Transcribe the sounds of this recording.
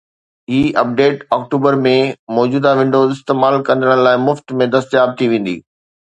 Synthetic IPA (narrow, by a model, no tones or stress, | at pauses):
iːɐp̚ɖeːʈɔːk̚ʈuːbəɾmẽmɔːd͡ʑuːd̪aʋɪ̃ɳɖoːzɪst̪eːmaːlkɐ̃nd̪əɽ̃laːɪmʊft̪mẽd̪ɐst̪jaːb̚t̪ʰiʋẽːn̆d̪ḭː